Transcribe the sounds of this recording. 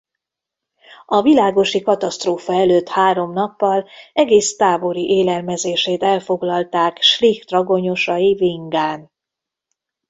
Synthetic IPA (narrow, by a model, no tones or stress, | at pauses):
ɒvilaːɡo̞ʃikɒt̪ɒst̪roːfɒɛløːt̪haːɾo̞mnɒpːɒlɛɡeːst̪aːbo̞ɾiʔeːlɛlmɛzeːʃeːt̪ɛlfo̞ɡlɒlt̪aːkʃrixt̪rɒɡo̞ɲo̞ʃɒjiviŋɡaːn